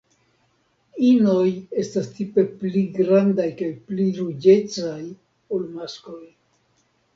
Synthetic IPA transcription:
ino̞je̞stastipe̞pliɡɾandajkajpliɾud͡ʒe̞t͡saj | olmasko̞j

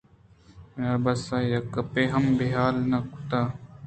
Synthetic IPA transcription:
mjabɐsajɐkːɐpeɦɐmbeɦaːlnɐku̥t̪aː

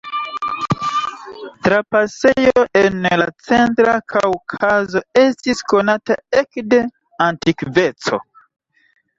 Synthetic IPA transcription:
tɾapase̞joʔenla̰t͡se̞ntɾakʰawkʰazo̞e̞stisko̞natae̞kde̞ | antikve̞t͡so̞̰

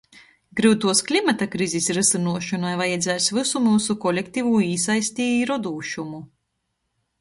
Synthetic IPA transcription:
ɡɾɨwt̪uɔsklʲimat̪akɾizisɾɨsinuɔʃɔnajvajad̪zʲɛːsvɨsumuːsukɔlʲekt̪ivuiːsajsʲt̪iːiɾɔd̪uːʃumu

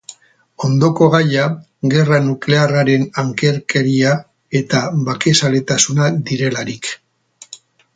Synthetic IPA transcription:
o̞nd̪o̞ko̞ɣaja | ɣe̞ranukle̞araɾe̞naŋke̞ɾke̞ɾia | e̞t̪aβake̞sale̞t̪asunad̪iɾe̞laɾik

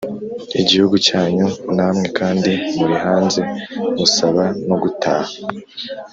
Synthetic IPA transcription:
iɟihuɡucaːɲunamŋe̞kaːndimuɾihaːnze̞musaβano̞ɡutʰaːha

